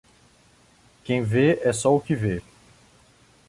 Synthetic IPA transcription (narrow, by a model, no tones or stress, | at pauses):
kẽj̃veɛsɔʊkɪve